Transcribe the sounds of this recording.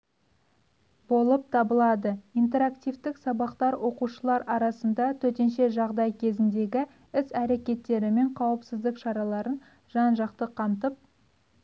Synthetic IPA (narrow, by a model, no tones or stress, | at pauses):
bo̞lˠəp̚t̪ʰɑbəlˠɑd̪əijnt̪e̞ɾakt̪ijvt̪ɪksɑbɑqt̪ɑɾwʔo̞quʃəlˠɑɾɑɾɑsənd̪ɑt̪ʰɵt̪̬e̞nʃe̞ʒɑʁd̪ɑjkʲʰe̞zɪnd̪e̞ɡʲɪ | ɪsæɾe̞kʲe̞t̪ːe̞ɾɪme̞ɴqʰɑwəpsɪzd̪ɪkʃɑɾɑlˠɑɾən | ʒ̥ɑnʒɑqt̪əqʰɑmt̪əp̚